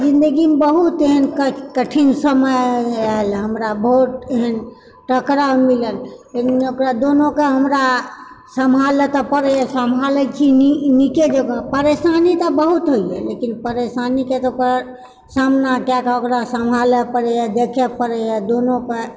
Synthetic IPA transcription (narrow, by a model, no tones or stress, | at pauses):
d͡ʒind̪əɡimebəɦut̪eɦənkkəʈʰinsəməjəɦəlɦəmɾabʱoʈeɦən | ʈəkɾamiləneeokɾad̪onokeɦəmɾa | səmɦalet̪ɔpəɾɛjɛsəmʱalɛt͡ʃʰiiniked͡ʒeɡə̃pəɾesanit̪ɔbəɦut̪ɦoijɛ̰lekinpəɾesaniket̪ɔoka | samnakjakokɾasəmɦalɛpəɾɛjad̪ekʰɛpəɾɛjad̪onoke